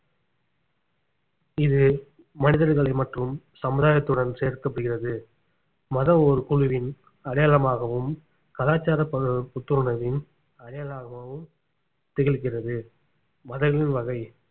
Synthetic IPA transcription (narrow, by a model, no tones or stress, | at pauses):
ɪðɯ | mɐnɪðɐɾɣɐɭɐɪmɐʈrɯm | sɐmɯðaːjɐt̪ːɯɽɐnseːɾkɐpːɐɽɯɣɪrɐðɯ | mɐðɐmɔɾɯkʊɻʊʋɪn | ɐɽɐjalɐmaːɣɐʋɯm | kɐlaːt͡ʃːaːɾɐpːɐpʊt̪ːɯɾɯɳɐʋɪn | ɐɽɐjɐlaːɣɐmɐʋɯm | t̪ɪɣɪɭɣɪrɐðɯ | mɐðɐɪɣɐɭɪnʋɐɣɐɪ